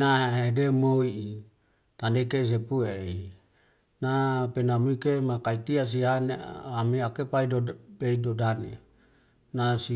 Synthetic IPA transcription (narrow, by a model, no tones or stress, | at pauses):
naɦedemoi | t̪anekes̬epuee | napenamuikemakait̪ias̬ianeameakepaidobeidodanḛ | nasi